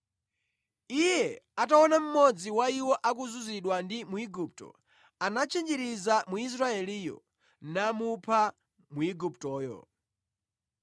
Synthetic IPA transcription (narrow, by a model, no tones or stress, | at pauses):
ijɛataɔnam̩mɔd͡ziwaiwɔʔak̬uzuziɗwandimuiɡup̚tɔ̰ | anat͡ʃʰɛnd͡ʒɛɾizamuis̬ɾaɛliːjɔ̰ | namupʰa | muiɡup̚tɔːjɔ̰